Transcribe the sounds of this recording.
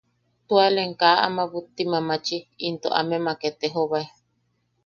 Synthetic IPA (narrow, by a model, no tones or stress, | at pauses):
t̪ualeŋkaʔa̰maβut̪ːimamat͡ʃiːnt̪oʔa̰memaket̪eɦoβae